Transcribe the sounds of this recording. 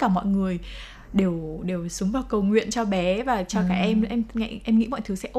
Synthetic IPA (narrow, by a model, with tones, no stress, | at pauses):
kaː˧˩mɔ̰˧˨jŋɨ˨˩əj | ɗe˨˩wɗe˨˩wsʊ˨˦ŋ͡mvaː˨˩wkə˨˩wŋwḭ˧˨ənt͡ɕɔ˧ɓɛ˨˦vaː˨˩t͡ɕɔ˧kaː˧˩ʔɛ˧mʔɛ˧mŋa̰˧˨ʔɛ˧mŋḭ˧˥mɔ̰˧˨jt̪ʰɨ˨˦sɛ̰˧˥ʔ